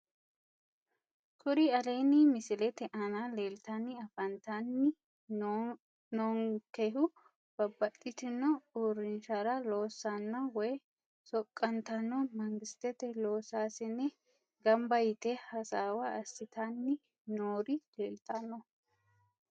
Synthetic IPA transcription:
kʰʼʊɾɪɐle̞ːnɪmɪsɪlɛt̪ɛʔɐnaleːlt̪ɐnːɪɐfɐnt̪ɐnːɪ | noːŋkɛɦʊ | b̥ɐbːɐt̪ʼːɪt̪ɪnːɔuːɾɪnʃaɾɐlo̞ːsːanːɐwɔj | sɔkʼːɐnt̪ɐnːɔmɐŋɡɪst̪ɛt̪ɛlo̞ːsaːsɪnːɛ | ɡɐmbɐjɪt̪ɛhɐsaːwɐɐsːɪt̪ʰanːɪ | noːɾɪleːlt̪ɐnːɔ

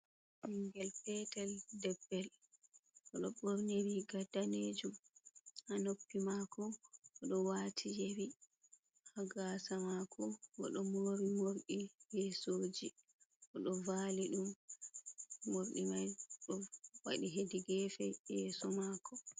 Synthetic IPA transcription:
iŋɡɛlpɛtɛldɛbːɛl | ʔɔɗɔbɔɾneɾiɡadaned͡ʒumhanopːimakɔɔɗɔwatʰijeɾi | haɡasamakʰɔwɔ̰ɗɔmoːɾimoɾɗijɛsoːd͡ʒi | ʔɔɗɔvaliɗum | oɾɗimajɗɔwaɗiɦediɡɛfɛjɛːsɔmaːkʰɔ

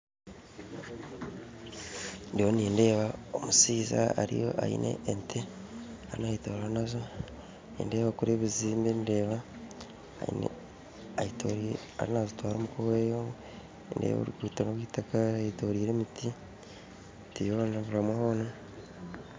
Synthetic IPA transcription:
ndijoniːnde̞ːβaomusiːza̰aɾḭjo̞̰ʔa̰ḭnʔḛʔentʰe | aɾinaitoɾanazo | nḭndeːβakuɾeβiziːmbende̞ːβa | a̰ḭnḛ | aitoɾ | a̰ɾinazotwaːɾomukoβeːjo | ndḛβo̰ɾukuːtonoβwiːtakaaitoɾiːɾe̞miti | tijoːnaβuɾamwahoːna

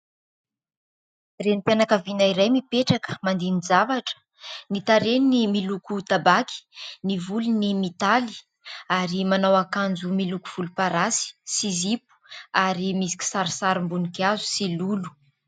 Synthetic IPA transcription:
renp̪janakavinaiɾajmipeʈ͡ʂakə̥mand̪inizavaʈ͡ʂə̥ | nit̪aɾenimilukut̪abakʰi̥nivulunimit̪ali̥ | aɾimanawakand͡zumilukuv̥ulupaɾasi̥sizipu̥aɾimisi̥kʲi̥saɾisaɾimbunikazu̥silulu̥

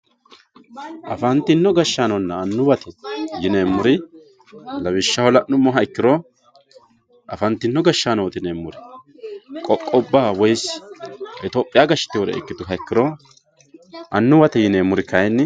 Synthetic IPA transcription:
ʔɐfɐnt̪ːɪnːɔɡɐʃːaːnɔnːɐːnːʊwɐt̪ɛjɪneːmːʊɾɪ | lɐβɪʃːɐhɔlɐʔːʊmːɔɦɐɪkːɪɾɔ | ʔɐfɐnt̪ːɪnːɔɡɐʃːaːnoːt̪ɪneːmːʊɾɪ | kʼɔkʼːɔbːaːwɔjs | ɛt̪oːpʼːɪjaɡɐʃɪ̥t̪ːɪwɔɾɛ̰ɪ̰kːɪt̪ʊɦɐɪkːɪɾɔ | ʔɐnːʊwɐt̪ɛjɪneːmʊɾɪkɐjnːɪ

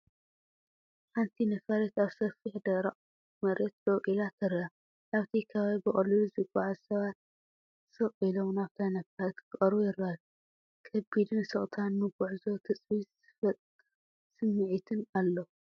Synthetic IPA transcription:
ħant̪ʰinɐfɐɾet̪aβsɐfiħd̪ɐɾaʔʼ | mɐɾet̪̚d̪ɐkʼilat̪ʰɐɾam | naβt̪ʰikʰɐβaβibɨχʼɐluluzɨɡʷʼaʕazsɐβat̪̚ | sɨqʼilomnaβt̪ʰajnɐfɐɾet̪kʰɨχʼɐɾβujɪɾːaju | kʰɐbid̪ɨnsɨχʼt̪ʰanmɨɡuʕzo̞t̪ʰɨt͡sʼwiz | fɐ | sɨmːɨʕit̪ʰɨnalːo

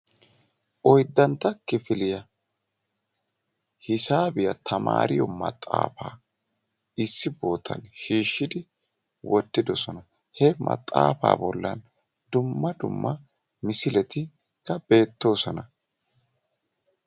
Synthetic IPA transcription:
ʔɔjd̪ːɐnt̪ːɐkɪfɪlɪjɐ | hɪsaːbɪjɐt̪ʰɐma̰ːɾɪjɔmɐ̰t̪ʼːa̰ːfa̰ː | ɪsːɪbo̞ːt̪ʰɐ̰nʃiːʃːɪd̪ɪ | wɔt̪ːɪd̪ɔsɔnɐ | hɛmɐ̰t̪ʼːa̰ːfa̰ːbɔlːɐn | d̪ʊmːɐd̪ʊ̰mːɐ | mɪsɪlɛt̪ɪ | kːɐbe̞ːt̪ːo̞ːsɔnɐ

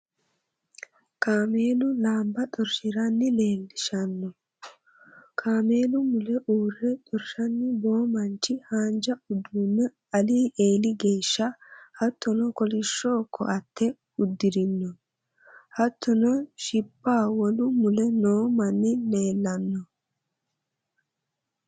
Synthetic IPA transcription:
kaːme̞ːlʊlaːmbɐt̪ʼɔɾʃɪɾɐnːɪleːlːɪʃɐnːɔ | kʰaːme̞ːlʊmʊlɛʔuːrːɛt̪ʼɔɾʃɐnːɪbo̞ːmɐnt͡ʃːɪhaːnd͡ʒɐʊd̪unːɛ | ɐliːʔe̞ːlɪɡe̞ːʃːɐhɐt̪ːɔnɔkɔlɪʃːo̞ːkʰːɔ̰ʔɐt̪ːɛ | ʊd̪ːɪɾɪnːɔ | hɐt̪ʰːɔnɔʃɪpːaːwɔlʊmʊlɛnoːmɐnːɪle̞ːlːɐnːɔ

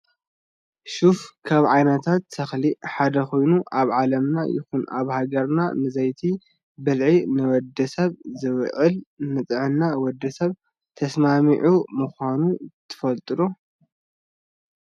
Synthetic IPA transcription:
ʃufkʰaβʕajnɐt̪ʰat̪sɐxliħad̪ɐxo̞jnuʔaβʕalɐmnajɪ̰xuna̰βhaɡɐɾna̰nɨzɐjt̪ʰi | bɨlʕinɨwɔd̪ːɐsɐβzɨβʕɨlnɨt̪ʼɨʕɨnːawɔd̪ːɐsɐβ | t̪ʰɐsmamiʕumɨxʷanut̪ʰɨ̥fɐlt̪ʼɨlu

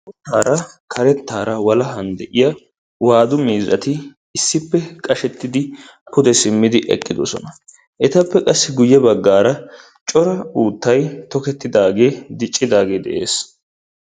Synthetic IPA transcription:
ʊt̪ːaːɾɐkʰɐɾɛt̪ːaːɾɐwɐlɐɦɐnd̪ɛʔɪjɐ | waːd̪ʊmiːzɐt̪ɪ | ɪsːɪpːɛkʼɐʃɛt̪ːɪd̪ɪ | pʊd̪ɛsɪmːɪd̪ɪʔɛ̰kʼːɪd̪o̰sɔ̰nɐ | ʔɛt̪ɐpːɛkʼɐsːɪɡʊjːɛbɐɡːaːɾɐ | t͡ʃʼɔɾɐuːt̪ːɐjt̪ɔkɛt̪ːɪd̪aːɡe̞ːd̪ɪt͡ʃʼːɪd̪aːɡe̞ːd̪ɛ̰ʔe̞̰ːs

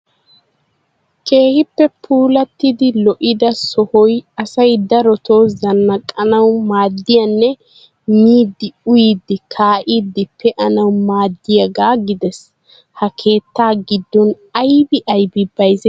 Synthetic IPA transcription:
kʰe̞ːhɪpːɛpʰuːlɐt̪ːɪd̪ɪlɔʔɪd̪ɐsɔhɔjɐsɐjd̪ɐɾɔt̪oːzɐnːɐkʼːɐnɐwmaːd̪ːɪjɐnːɛ | miːd̪ːɪʊjid̪ːɪkʰaːʔiːd̪ːɪpʰːɛʔɐnɐwmaːd̪ːɪjɐɡaːɡɪd̪ɛs | hɐkʰe̞ːt̪ːaːɡɪd̪ːɔn | ɐjbɪʔɐjbɪbɐjzɛ

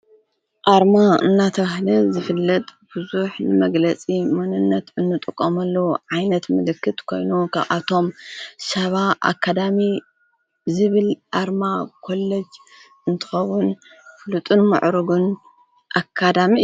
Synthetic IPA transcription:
ʔaɾmaɨ̰nːat̪ʰɐβahlɐzɨfɨlːɐt̪ʼb̥ɨzuħnɨmɐɡlɐt͡sʼimɐnɨnːɐt̪ɨnːɨt̪ʼɨkʼːomɐlːɐʕajnɐt̪mɨlɨkːɨt̪kʰo̞̰jnukʰaβʔa̰t̪ʰo̞msɐβaʔa̰kʰːad̪ami | zɨβɨlʔaɾmakʰo̞lːɐd͡ʒ | ɨnt̪ʰɨ̥xɐwːʊn | fɨlut̪ʼɨnmɨ̰ʕɾɨɡun | ʔakʰːad̪ami

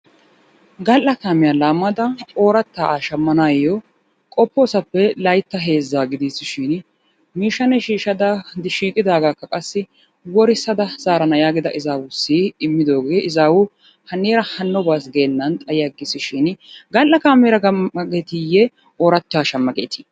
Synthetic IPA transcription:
ɡɐlʔɐkaːmɪjalaːmːɐd̪ɐoːɾɐt̪ːaːʔaːʃɐmːɐnaːjɔ | kʼɔpːoːsɐpːɛlɐjt̪ːɐɦe̞ːzːaːɡɪd̪isɪʃɪn | miːʃːɐnɛʃiːʃɐd̪ɐd̪ɪʃiːkʼɪd̪aːɡaːkːɐkʼɐsːɪ | wɔɾɪsɐd̪ɐz̥aːɾɐnɐjaːɡɪd̪ɐ̰ʔɪzaːwʊsːɪɪmːɪd̪o̞ːɡe̞ːʔɪzaːwʊ | hɐnːeːɾɐhɐnːɔbaːsɡe̞ːnːɐnt̪ʼɐjɪjɐɡɪsɪʃɪnɡɐlʔːɐkaːmeɾɐɡeːt̪ɪjɛ | oːɾɐt̪ːaːʃɐmːɐɡḛːt̪ɪ̥

